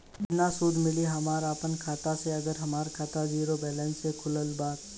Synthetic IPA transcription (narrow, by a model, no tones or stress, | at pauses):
nasuːd̪mɪliɦɐmaːɾaːpənkʰaːt̪aseɐɡəɾɦɐmaːɾkʰaːt̪aziːɾobɛːlɛːnsekʰʊləlbaːt̪